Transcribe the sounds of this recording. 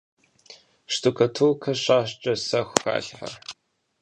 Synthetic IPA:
ʂtʰʼukʰɐtʰuːkʰɐɕaːɕt͡ʃʼɐsɐxʷxa̰ːɬħɐ̰

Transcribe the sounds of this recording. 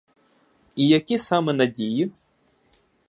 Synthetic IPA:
ijɐkʲisamɛnɐdʲiji

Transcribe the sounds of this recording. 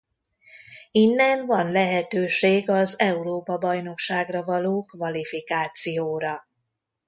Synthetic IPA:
inːɛnvɒnlɛɦɛt̪øːʃeːɡɒzɛuɾoːpɒbɒjno̞kʃaːɡrɒvɒloːkvɒlifikaːt̪sijoːɾɒ

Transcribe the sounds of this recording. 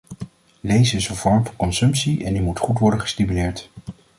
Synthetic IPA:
lejzəɪsənvɔɹmvɑnkɔnsɵmpsiʔɛ̰ndimutχutʋɔɹdəχə̥stimylɪːɹt

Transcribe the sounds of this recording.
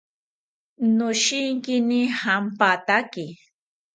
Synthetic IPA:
nʊʃɪŋkɪnɪhampat̪akɪ

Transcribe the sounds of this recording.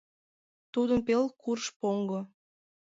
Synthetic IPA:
t̪ud̪ənpelkurʃpoŋɡo

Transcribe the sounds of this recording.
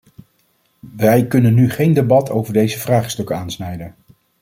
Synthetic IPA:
ʋɛjkɵnənːyχejndebɑtʰowvəɹdejzəvraːχstɵkənaːnsnɛjdən

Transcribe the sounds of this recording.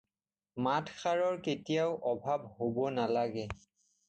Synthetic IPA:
matʰxaɹɔɹketijaʊʔɔbʱabhobɔnalaɡɛ

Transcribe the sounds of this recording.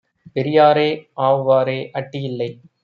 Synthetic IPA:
pɛɾɪjaːɾeːʔaːʋɯʋaːɾeːʔɐʈːɪjɪlːɐɪ

